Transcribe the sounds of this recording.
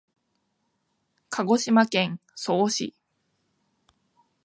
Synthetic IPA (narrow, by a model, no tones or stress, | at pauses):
kʰaɡo̞ɕimakẽ̞ŋsoːɕḭ